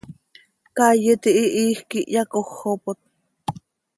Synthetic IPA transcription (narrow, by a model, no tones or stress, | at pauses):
kɑjɛt̪iʔiʔiːxkiʔjɑkoxopot̪̚